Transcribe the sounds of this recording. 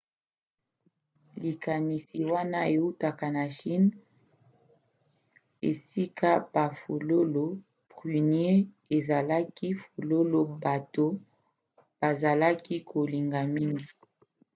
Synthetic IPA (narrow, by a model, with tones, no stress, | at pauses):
li˨ka˨ni˨si˨wa˦na˦e˨u˦ta˨ka˨na˨ʃi˦n | ḛ˨si˦kʰa˦ba˨fo˨lo˦lo˦ | pʁy˨nje˦ | e˨za˨la˦ki˦fo˨lo˦lo˨ba˨to˦ | b̥a˨za˨la˦ki˦kʰo˨li˨ŋɡa˨mi˦ŋɡi˨